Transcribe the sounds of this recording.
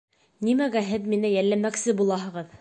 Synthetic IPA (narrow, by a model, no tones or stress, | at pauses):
nimæɡæɦɘðminæjælːæmæksɘbulˠɑɦɤ̆ʁɤð